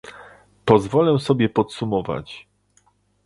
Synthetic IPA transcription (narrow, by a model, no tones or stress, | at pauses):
pɔzvɔlɛsɔbʲjɛpɔt̪sumɔva̰t͡ɕ